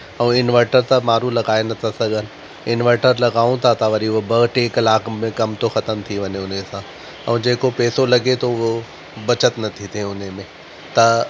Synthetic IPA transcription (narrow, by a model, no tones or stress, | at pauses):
ɛ̃ɪnʋəɾʈəɾt̪amaːɾulɐɡaːenɐt̪ʰasɐɡʱənɪ̆ | ɪnʋəʈəɾlɐɡaːũt̪ʰat̪ʰaʋɐɾiʊɦobɐɡʈeːklaːkmẽkɐmt̪oxɐt̪əmt̪ʰiʋɐɲeʊnesãː | ɛ̰̃ːd͡ʑeːkopeːsolɐɡet̪ʰoʊɦo | bɐt͡ɕət̪nɐt̪ʰit̪ʰẽʊn̤emẽ | t̪ɐ